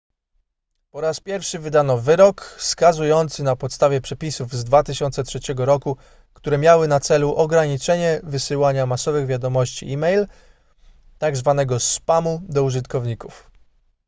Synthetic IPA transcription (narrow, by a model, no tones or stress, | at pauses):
pɔɾaspʲjɛɾfʂɘvɘd̪anɔvɘɾɔkfskazujɔnt̪sɘnapɔt̪st̪avʲjɛpʂɛpʲisuvzd̪vat̪ɘɕɔnt̪sɛtʂɛt͡ɕɛɡɔɾɔku | kt̪uɾɛmʲjawɘnat̪sɛluʔɔɡɾaɲit͡ʂɛɲɛvɘsɘwaɲamasɔvɘɣvʲjad̪ɔmɔɕt͡ɕḭimɛjl | t̪aɡzvanɛɡɔspamud̪ɔuʐɘt̪kɔvɲikuf